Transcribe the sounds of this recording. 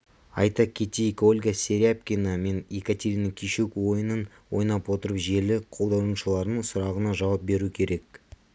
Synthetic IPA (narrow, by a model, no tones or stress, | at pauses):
ɑjt̪ɑkʲʰet̪ijkolʲɡasʲe̞ɾʲapkʲiname̞nekat̪ʲe̞ɾʲinakʲʰiʃukwo̞jənən | wo̞jnɑpwo̞t̪əɾəpʒe̞lɪqʰo̞lˠd̪ɑw̪ənʃəlˠɑɾd̪əɴsʊɾɑʁənɑʒɑwɑp̚be̞ɾukʲʰe̞ɾe̞k̚